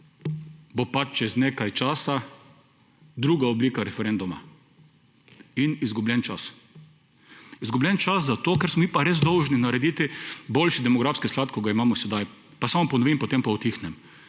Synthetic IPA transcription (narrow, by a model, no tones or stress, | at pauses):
bopat͡ʃt͡ʃɛzneːkajt͡ʃaːsa | d̪ɾuːɡaobliːkaɾɛfɛɾend̪uma̰ | inizɡublʲɛnt͡ʃas | izɡublʲɛnt͡ʃaszat̪oːkɛɾsmɔmiːpaɾeːzd̪ɔwʒninaɾɛd̪iːt̪iboːlʃid̪ɛmɔɡɾaːfskisklaːt̪̚koɡaimaːmɔsɛd̪aj | pasamɔpɔnɔʋimpɔt̪empaut̪ixnɛm